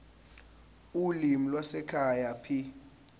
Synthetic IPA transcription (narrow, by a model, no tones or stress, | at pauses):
ulimilwasɛkʰajapʰi